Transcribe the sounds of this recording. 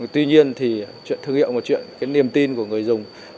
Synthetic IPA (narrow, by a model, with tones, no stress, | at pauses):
t̪wi˧ɲi˧ənt̪ʰi˨˩t͡ɕwḭ˧˨ət̪ɨ˧əŋḭ˧˨wmo˨˩t̚t͡ɕwḭ˧˨ənkaː˨˦jni˨˩əmt̪i˧nku˧˩əŋɨ˨˩əjzʊ˨˩ŋ͡m